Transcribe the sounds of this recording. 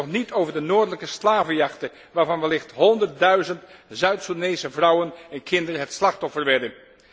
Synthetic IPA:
ɔχnitowvəɹdənoːɹdələkəslaːvəjɑχtə | ʋaːɹvɑnʋɛlɪχtɦɔndəɹt̚dœɥzəntzœɥtsudnejsəvrʌwənɛnkʰɪndərəɦətslɑχtɔfərʋɛdə

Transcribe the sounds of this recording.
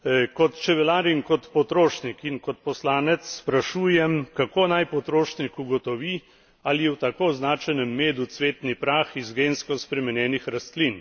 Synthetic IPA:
kɔt̪t͡ʃɛʋɛlaːɾiŋkɔt̪pɔt̪ɾoːʃnikinkɔt̪̚pɔslaːnɛt̪sːpɾaʃuːjɛmkakoːnajpɔt̪ɾoːʃnikuɡɔt̪ɔʋi | aliɛwt̪akoːznaːt͡ʃɛjnɛmːeːd̪ut̪sʋeːt̪nipɾaːxizɡeːnskɔspɾɛmɛnjɛːnixɾast̪lin

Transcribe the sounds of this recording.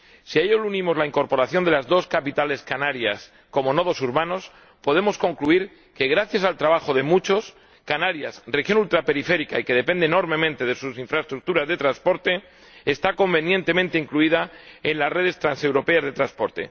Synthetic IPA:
sieʎolunĩmo̞zlaiŋko̞ɾpo̞ɾaθjo̞nd̪e̞lazðo̞skapit̪ale̞skanaɾjas | ko̞mo̞no̞ð̞o̞suɾβano̞s | po̞ð̞e̞mo̞sko̞ŋkluiɾ | ke̞ɣ̞ɾaθjasalt̪ɾaβaxo̞ðe̞mut͡ʃo̞s | kanaɾjasrexjo̞nult̪ɾape̞ɾife̞ɾikaike̞ð̞e̞pe̞nd̪eno̞ɾmẽ̞mẽnt̪e̞ð̞e̞susiɱfɾaest̪ɾuk̚t̪uɾazðe̞t̪ɾanspo̞ɾt̪e̞ | est̪ako̞mbe̞njẽ̞nt̪e̞mẽnt̪eiŋkluið̞aenlasre̞ð̞e̞st̪ɾanse̞wɾo̞pe̞azðe̞t̪ɾanspo̞ɾt̪e̞̰

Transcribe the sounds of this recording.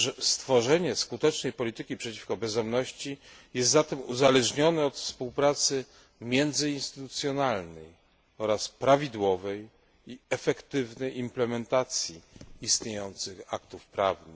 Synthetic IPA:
ʐɛst̪fɔʐɛɲɛskut̪ɛt͡ʂnɛjpɔlʲit̪ɘkʲipʂɛt͡ɕi̥fkɔbɛzd̪ɔmnɔɕt͡ɕijɛst̪zat̪ɛmuzalɛʐɲɔnɛɔt̪fspuwpɾat̪sɘ | mʲjɛnd̪zɘinst̪ɘt̪ut̪sʲjɔnalnɛj | ɔɾaspɾavʲid̪wɔvɛj | iɛfɛkt̪ɘvnɛjimplɛmɛnt̪at̪sʲjiist̪ɲejɔnt̪sɘxakt̪ufpɾa̰vnɘ

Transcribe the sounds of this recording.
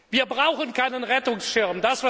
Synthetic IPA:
viːɐbʁaʊxənkʰaɪnənʁɛtʊŋsʃɪɐmdasv̥a

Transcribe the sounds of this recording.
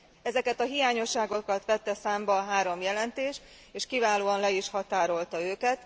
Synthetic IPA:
ɛzɛkɛt̪ɒɦijaːɲo̞ʃːaːɡo̞kɒt̪ʋɛt̪ːɛsaːmbɒːɦaːɾo̞mjɛlɛnt̪eːʃt̪ | eːʃkivaːloːɒnlɛiʃhɒt̪aːɾo̞lt̪ɒøːkɛt̪

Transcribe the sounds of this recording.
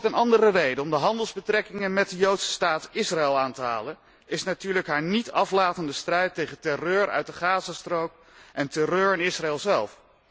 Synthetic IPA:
tənɑndərərejdəɔmdəɦɑndəlˠzbətrɛkɪŋənmɛt̚dəjowtsə̥staːtɪsraɪlˠaːntəɦa̰ːlən | ɪsnatyːɹləkɦaːɹnitʰɑflaːtəndəstrɛjtejχəntɛrøːɹœ̰ɥt̚dəχaːzastrowk | ʔɛntɛrøːɹɪnɪsraɛlˠzɛlˠf

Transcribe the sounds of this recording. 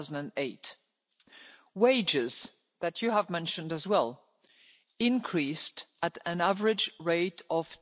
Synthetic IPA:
ʊz̃n̩dɨ̃neɪt | weɪd͡ʒɪz | ðɨt͡ʃɨəvmɛ̃nʃɨ̃ndɨzwɛlˠ | ɪ̃nkʰɹ̥istɨɾɨ̃nævə˞ɨd͡ʒɹeɪɾʌv̥

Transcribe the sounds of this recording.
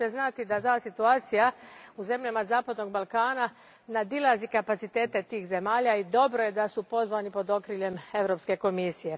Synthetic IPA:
eznat̪id̪at̪aːsit̪uaːt̪sijauze̞mʎamazaːpad̪no̞ɡ̚balˠkaːna | nad̪ilˠazikapat̪sit̪e̞ːt̪e̞t̪iːxze̞maːʎaid̪o̞bɾo̞je̞d̪asupo̞zʋaːnipo̞d̪o̞kɾiʎe̞me̞ʋɾo̞pske̞ko̞misije̞

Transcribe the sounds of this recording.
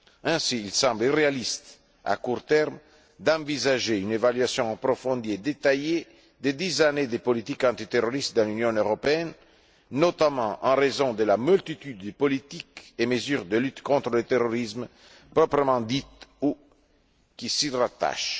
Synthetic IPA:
ɛ̃siːlsɑ̃mblirealist̪ | a̰kuʁt̪ɛʁm | d̪ɑ̃vizaʒeynevalɥasjɔ̃ɑ̃pɾofɔ̃nd̪ied̪et̪aje | d̪ed̪izaned̪epolit̪ikɑ̃t̪it̪eroɾist̪̚d̪ɑ̃lynjɔ̃øʁopeɛnː | ot̪amɑ̃ʔɑ̃ʁezɔ̃d̪əlamylt̪it̪yd̪ːəpolit̪ikeməzyʁd̪əlyt̪kɔ̃t̪ɾələt̪eroɾizm | pɾɔpɾəmɑ̃d̪it̪u | kisirat̪a̰ʃ

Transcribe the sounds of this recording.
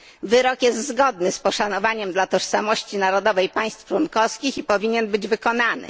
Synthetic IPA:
vɘɾɔkjɛst̪zɡɔd̪nɘspɔʂanɔvaɲɛmd̪lat̪ɔʂsamɔɕt͡ɕinaɾɔd̪ɔvɛjpaj̃st̪ft͡ʂwɔnkɔfskʲixipɔvʲiɲɛnbɘd͡ʑvɘkɔnanɘ̰

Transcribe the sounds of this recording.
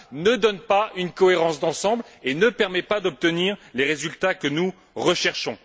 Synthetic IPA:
nəd̪ɔnpaynkɔeʁɑ̃sd̪ɑ̃sɑ̃blenəpɛʁmɛpad̪ɔp̚t̪əniːʁleʁezylt̪akənu | ʁəʃɛʁʃɔ̃

